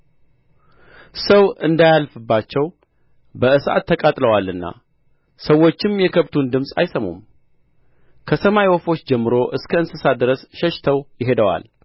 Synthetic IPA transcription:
səwɨnd̪ajalfɨbːat͡ʃːɛw | bəɨsʔa̰t̪ʰːəkʼat̪ʼləwalɨnːa̰ | səwːo̞t͡ʃːɪmjɛkʰəβt̪ʰund̪ɨmsʼa̰jsəmṵm | kʰəsəmajwɔfo̞t͡ʃːd͡ʒɛmːɨɾo̞ʔɨskʰəɨnsɨsad̪ɨɾəsʃɛʃt̪ʰəwjɪɦe̞d̪əwa̰l

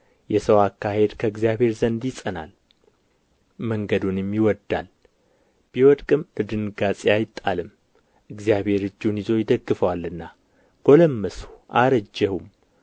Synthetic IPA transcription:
jɛsəwakːahe̞d̪kʰəɨɡzijabhe̞ɾzənd̪jɪsʼəna̰l | məŋɡəd̪unjɛmːjɪwɔd̪ːa̰l | b̥iwɔd̪kʼɨmɨd̪ɨnɡat͡sʼiajɪt̪ʼːalɨm | ʔɨɡzijaβhe̞ɾɨd͡ʒːunizo̞jɪd̪əɡːɨfəwalːɨnːa | ɡ̥o̞ləmːəsu̥ʔaɾəd͡ʒːɛhum

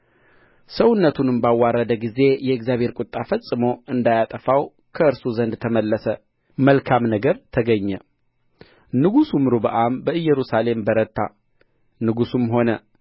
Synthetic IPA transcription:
səwʊnːət̪ʰunɨmbawːarːəd̪əɡize̞jɛɨkzjaβhe̞ɾkʼʊt̪ʼːafəsʼɨmo̞ɨnd̪ajat̪ʼəfaw | kʰəɨɾsuzənd̪t̪ʰəməlːəsə | məlkʰamnəɡəɾt̪ʰəɡəɲːɛ | nɨɡusumɾubəʔʼambəɨjːɛɾusale̞mbəɾət̪ʰːa̰ | nɨɡusumɦo̞nə

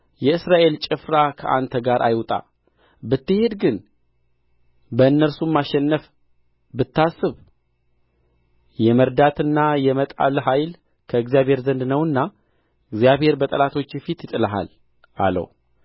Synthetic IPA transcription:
jɛɨsɾaʔe̞lt͡ʃʼɪfɾakʰə̰ʔa̰nt̪ʰəɡaɾʔajwt̪ʼa̰ | bɨt̪ːɨhe̞d̪ɡɨn | bəɨnːəɾsumːaʃɛnːəf | bɨt̪ːasːɨβ | jɛməɾd̪at̪ɨnːajɛmət̪ʼa̰lɦajl | kʰəɨɡzijaβhe̞ɾzənd̪nəwɨnːa | ɨɡzijaβhe̞ɾbət̪ʼəlat̪ʰo̞t͡ʃːjɛfit̪jɪt̪ʼɨləɦa̰l | a̰lə̰w

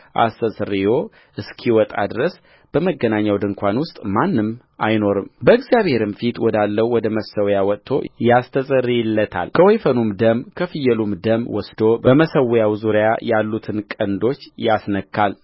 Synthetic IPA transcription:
ʔa̰səsʼɨrːijo̞ | ʔɨskʰiwɔt̪ʼa̰d̪ɨɾəs | b̥əməɡːənaɲːawd̪ɨŋkʷʰanwʊst̪ʼmanːɨm | ajno̞ɾɨmbəɨɡzijaβhe̞ɾɨmfit̪wɔd̪alːəwwɔd̪əməsəwjawɔtt̪ʰːo̞̰jast̪ʰəsʼɨrːijɪlːət̪ʰa̰lkʰəwɔjfənumd̪əmkʰəfɨjːɛlumd̪əmwɔsd̪obəməsəwjawzuɾjajalːut̪ʰɨnkʼənd̪o̞t͡ʃːjasnəkʰːal

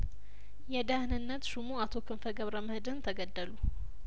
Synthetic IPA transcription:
jɛd̪ahnɨnːət̪ʃumuat̪ʰo̞kʰɨnfəɡəβɾəməhd̪ɨnt̪ʰəɡəd̪ːəlu

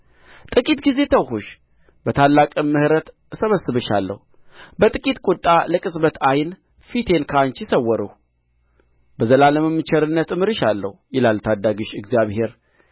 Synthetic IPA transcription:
t̪ʼɨkʼit̪ɡize̞t̪ʰəwhuʃ | bət̪ʰalːakʼɨmːɨhɾət̪ | səβəsːɨβɨʃa̰lːə̰hu | bət̪ʼɨkʼit̪kʼut̪ʼːaləkʼɨsʼbət̪ʰajn | fit̪ʰe̞nkʰant͡ʃisəwːəɾɨh | bəzəlaləməmːɨt͡ʃʰɛɾɨnːət̪ɨmɨɾɨʃalːə̰hjɪlalt̪ʰad̪aɡɨʃɨɡzijaβhe̞ɾ

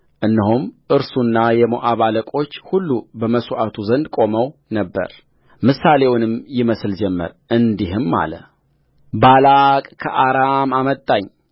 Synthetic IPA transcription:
ʔɨnːiɦumʔɨɾsunːajɛmoʔaβaləkʼo̞t͡ʃːhulːubəməsuʔat̪ʰuzənd̪kʼo̞məwnəbːə̰ɾ | mɨsale̞wnɨmjɪməsld͡ʒɛmːə̰ɾʔɨnd̪iɦɨmːa̰lə̰ | balakʼkʰəʔaɾamamət̪ʼːaɲ

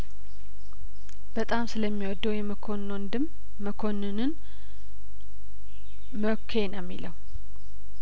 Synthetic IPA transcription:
b̥ət̪ʼamsɨləmːiwɔd̪ːəwjɛməkʰonond̪ɨmː | əkʰonɨnɨn | məkʰːenəmːiləw

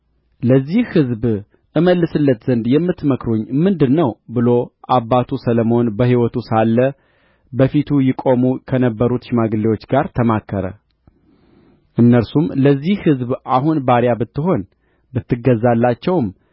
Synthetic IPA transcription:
ləzːihhɨzb | ʔɨməlːɨsɨlːət̪z̥ənd̪jɛmːɨt̪ːməkɾoɲːmɨnd̪ɨnːəwbɨlo̞ʔabːat̪ʰusələmo̞nbəɦhiwɔt̪ʰusalːə | bəfit̪ʰujɪkʼo̞mukʰənəbːəɾut̪ʃɪmaɡɨlːewo̞t͡ʃːɡaɾt̪ʰəmakʰːəɾə̰ | ʔɨnːəɾsumləzːihhɨzbʔaɦunbaɾjabɨt̪ːɨɦo̞n | bɨt̪ːɨɡəzːalːat͡ʃːɛwm

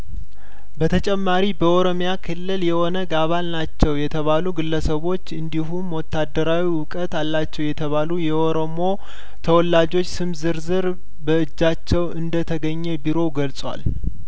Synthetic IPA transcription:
bət̪ʰət͡ʃʼɛmːaɾibəʔoɾo̞mjakʰɨlːɨljɛho̞nəɡaβalnat͡ʃːɛwjɛt̪ʰəβaluɡɨlːəsəβo̞t͡ʃːɨnd̪iɦumwɔt̪ːad̪ːəɾawiwʊkʼət̪alːat͡ʃːɛwjɛt̪ʰəβalujɛʔoɾo̞mo̞ | t̪ʰəwɔlːad͡ʒo̞t͡ʃːsɨmzɨɾzɨɾ | bəɨd͡ʒːat͡ʃːɛwɨnd̪ət̪ʰəɡəɲːɛbiɾo̞ɡəlsʼwa̰l

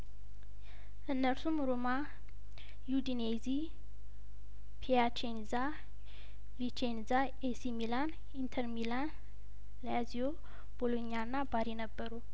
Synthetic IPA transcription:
ənːəɾsumɾoma | jud̪inezi | pʰiat͡ʃenza | lit͡ʃenza | esimilan | int̪ʰəɾmilan | lazijo | b̥olonijanːabaɾinəbːəɾu

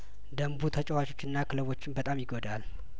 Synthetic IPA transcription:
d̪əmbut̪ʰət͡ʃʼɛwat͡ʃʼo̞̥t͡ʃːɪnːakʰɨləβo̞t͡ʃːɪnbət̪ʼamjɪɡod̪al

